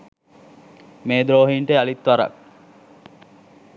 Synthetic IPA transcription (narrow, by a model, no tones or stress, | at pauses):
meːd̪ɾoːɦiːɳʈeɐlit̪ʋɐɾɐ̰k̚